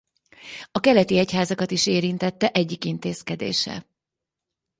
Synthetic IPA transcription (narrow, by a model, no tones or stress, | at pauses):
ɒkɛlɛt̪iɛchaːzɒkɒt̪iʃeːɾint̪ɛt̪ːɛʔɛɟːikint̪eːskɛd̪ḛːʃɛ̰